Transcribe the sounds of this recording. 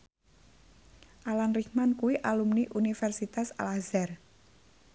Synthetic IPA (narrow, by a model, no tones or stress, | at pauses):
ʔalanrikmankuwiʔalumniʔunifɛrsit̪asa̰lazɛr